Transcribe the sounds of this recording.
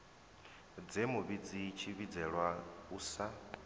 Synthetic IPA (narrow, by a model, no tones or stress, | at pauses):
d͡zemuβid͡zit͡ʃʰiβid͡zɛɺwauːsa